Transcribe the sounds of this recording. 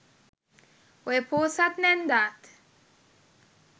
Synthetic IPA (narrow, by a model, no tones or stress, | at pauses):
wepʰoːsatnɛnd̪at̪